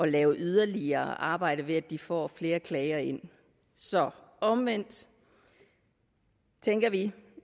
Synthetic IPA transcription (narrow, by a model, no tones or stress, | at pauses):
ʔɒ̽lɛːʊʔyð̞ˠɐliɐːʔɑ̈ːb̥ɑ̈ɪ̰ɾ̥əʋe̝æd̥ifɒ̰ːfle̝ːɐkʰlɛɪɐe̝n̰ | sɒ̽ɒ̽mʋen̰d̥ | t͡sʰeŋɡ̥ɐʋi